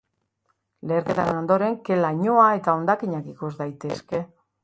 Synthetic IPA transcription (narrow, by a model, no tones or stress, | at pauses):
le̞ːɾke̞t̪aɾeno̞nd̪o̞ɾe̞ŋke̞laɲo̞ae̞t̪ao̞nd̪akiɲakikuzd̪ajt̪e̞ske̞